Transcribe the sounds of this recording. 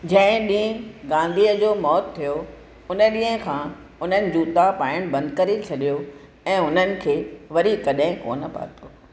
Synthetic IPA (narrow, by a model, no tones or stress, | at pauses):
d͡ʑɐ̃ɦɪ̃ɗĩːɦə̃ɡãːnd̪ʱiːəd͡ʑoːmɔːt̪ʰːijo | ʊnəɗĩːɦə̃kʰãː | ʊn̤ənɪ̆d͡ʑuːt̪apaːɪɽ̃bɐ̃nd̪̚kɐɾet͡ɕʰɐɗijo | ɛ̃ːʊn̤ənɪ̆kʰeːʋɐɾikɐɗɦɪ̃ko̰ːnə̆pa̰ːt̪oː